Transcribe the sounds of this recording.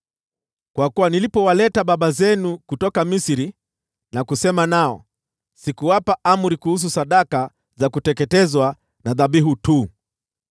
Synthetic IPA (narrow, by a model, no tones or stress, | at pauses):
kwakuwanilipɔwalɛtaɓaɓazɛnukutɔkamisiɾi | nakusɛmanaɔ̰ | sikuwapaʔam̩ɾikuhus̬usaɗaka | zakutɛkɛtɛzwa | naðaɓiɦutuː